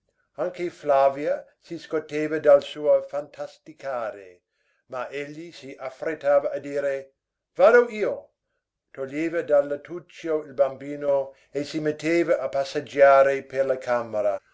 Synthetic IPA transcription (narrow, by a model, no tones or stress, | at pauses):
aŋkeflavjasiskot̪ːeːvad̪alsuːɐfant̪ʰast̪ikʰaːɾḛ | maʔeʎːisiʔafret̪ːaːvaʔad̪iːɾe | vaːd̪oiːo | t̪oʎːeːvɐd̪alːat̪ut͡ʃːoilbambiːno | esimet̪ːeːvaʔapasːad͡ʒaːɾeperlakʰameɾa